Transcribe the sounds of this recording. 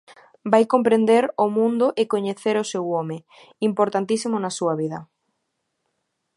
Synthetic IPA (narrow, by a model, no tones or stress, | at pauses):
bajkompɾend̪eɾʊmũnd̪ʊʔɪkoɲeθeɾʊsewɔme | impoɾt̪ant̪isimʊnasuɐβ̞iðɐ